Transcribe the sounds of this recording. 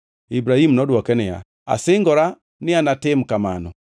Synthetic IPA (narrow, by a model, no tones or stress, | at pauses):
ibɾahimnɔdwɔkɛnɛja̰ | a̰sɪŋɡɔɾa | nɪanatɪm̩kamanɔ